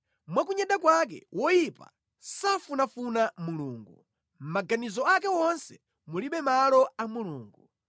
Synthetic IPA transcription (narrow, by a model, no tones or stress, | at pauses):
mwakuɲɛɗakwak̬ɛ̰wʔɔjipa̰ | safunafunamuluːŋɡu | m̩maɡanizɔak̬ɛwɔnsɛ | muliɓɛmalɔamuluːŋɡu